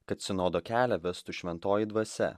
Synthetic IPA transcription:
kɐt̪sʲɪnoːd̪oːkʲæːlʲɛʋʲɛst̪uʃʲʋʲɛnt̪oːjid̪ʋɐsʲɛ̰

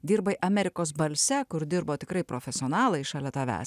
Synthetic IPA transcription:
d̪ʲiːɾbɐɪʔɐmʲɛɾʲɪkoːsbɐlʲsʲɛkʊɾd̪ʲɪɾboːt̪ʲɪkɾɐɪpɾoːfʲɛsʲɪoːnɑːlˠɐɪɪʃɑːlʲɛt̪ɐʋʲæ̰ːs

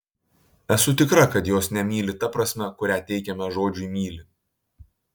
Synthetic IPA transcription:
ɛsʊt̪ʲɪkɾɐkɐt̪joːsnʲɛmʲiːlʲɪt̪ɐpɾɐsʲmʲɛkʊɾʲæːt̪ʲɛɪkʲɛmʲɛʒoːd͡ʒʲʊimʲiːlʲɪ

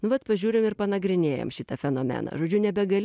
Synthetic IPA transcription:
nʊʋɐt̪pɐʒʲuːɾʲɪmɪrpɐnɐɡɾʲɪnʲeːjɛ̰mʃʲɪt̪ɐfʲɛnoːmʲɛ̰nɐ̰ːʒoːd͡ʒʲʊnʲɛbʲɛɡɐlʲ

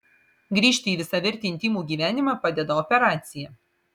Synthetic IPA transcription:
ɡɾʲiːʃʲt̪ʲɪiːʋʲɪsɐʋʲɪɾʲt̪ʲɪnt̪ʲiːmuːɡʲiːʋʲæːnʲɪmɑːpɑːd̪ʲɛd̪ɐɔpʲɛɾɑːt̪sʲɪjɛ

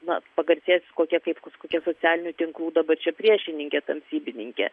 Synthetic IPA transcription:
nɐ̰pɐɡɐɾʲsʲeːsʲkoːkʲɛkɐɪpkoskoːkʲɛsoːt͡sʲæːlʲɪnʲut̪ʲɪŋklˠuːd̪ɐbɐrt͡ʃʲɛpʲɾʲiɛʃʲɪnʲɪŋʲkʲɛt̪ɐmʲsʲiːbʲɪnʲɪŋʲkʲɛ̰

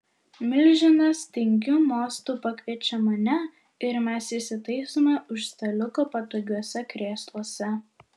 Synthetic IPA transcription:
mʲɪlʲʒʲɪnɐst̪ʲɪŋʲɡʲuːmoːst̪uːpɐkʲʋʲiɛt͡ʃʲɛmɐnʲɛ | ɪɾmʲɛsɪʃsʲɪt̪ɐɪsomʲɛʊʃst̪ɐlʲʊkoːpɐt̪oɡʲuɔsʲɛkɾʲeːst̪ˠuɔsʲɛ

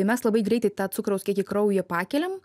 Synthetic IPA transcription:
ɪmʲɛslˠɐbɐɪɡɾʲɛɪt̪ɐɪt̪ɑːsʊkɾɐʊskʲiɛkʲɪkɾɐʊjɛpɑːkʲɛlʲɛm

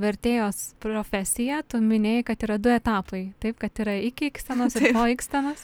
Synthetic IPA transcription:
ʋʲɛɾʲt̪ʲeːjoːspɾoːfʲæsʲɪjɛt̪ʊmʲɪnʲeːjkɐt̪iːɾɐd̪ʊɛt̪ɑːpɐɪt̪ɐɪpkɐt̪iːɾɐɪkʲiksʲt̪ʲɛnoːsɪɾpoːiksʲt̪ʲɐnoːs

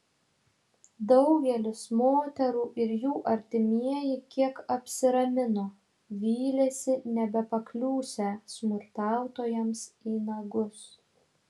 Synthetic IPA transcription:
d̪ɒʊɡʲɛlʲɪsmoːt̪ʲɛɾuːʔɪɾjuːʔɐɾʲt̪ʲɪmʲiɛjɪkʲiɛkɐpʲsʲɪɾɐmʲɪnoː | ʋʲiːlʲɛsʲɪnʲɛbʲɛpɐklʲuːsʲɛsmʊɾt̪ɑˑʊt̪oːjɛmsiːnɐɡʊs

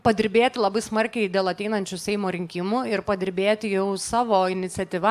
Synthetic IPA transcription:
pɐd̪ʲɪɾʲbʲeːt̪ʲɪlˠɐbɐɪsmɐɾʲkʲɛɪd̪ʲeːlˠɐt̪ʲɛɪnɐnʲt͡ʃʲʊsʲɛɪmoːɾʲɪŋʲkʲɪmʊɪɾpɐd̪ʲɪɾʲbʲeːt̪ʲɪjɛʊsɑːʋoːɪnʲɪt̪sʲɛt̪ʲiːʋɐ

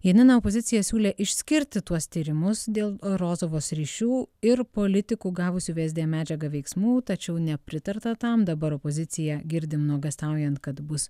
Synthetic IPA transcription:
jiɛnʲɪnɐoːpoːzʲɪtsʲɪjɛsʲuːlʲeːʔɪʃʲsʲkʲɪɾʲt̪ʲɪt̪uɔst̪ʲiːɾʲɪmʊsd̪ʲeːlˠɾoːzoːʋoːsɾʲiːʃʲuːɪɾpoːlʲɪt̪ʲɪkuːɡɑːʋʊsʲuːʋʲeːzʲd̪ʲeːmʲæːd͡ʒʲɛɡɐʋʲɛɪksmuːt̪ɐt͡ʃʲɛʊnʲɛpʲɾʲɪt̪ɐɾt̪ɐt̪ɐmd̪ɐbɐɾoːpoːzʲɪt̪sʲɪjɛɡʲɪɾʲd̪ʲɪmnuɔɡɐst̪ɑˑʊjɛnt̪kɐt̪bʊs

